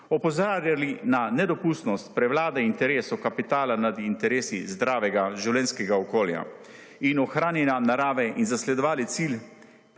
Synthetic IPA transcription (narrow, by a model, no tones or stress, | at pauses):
ɔpɔzaɾjalinanɛd̪ɔpuːst̪nɔst̪̚pɾɛʋwlaːd̪ɛint̪ɛɾeːsɔkapit̪aːlanad̪int̪ɛɾeːsizd̪ɾaːʋɛɡaʒiwlɛnskɛɡaɔkoːlja̰ | inɔxɾaːnjɛnanaɾaːʋɛinzaslɛd̪ɔʋaːlit̪sil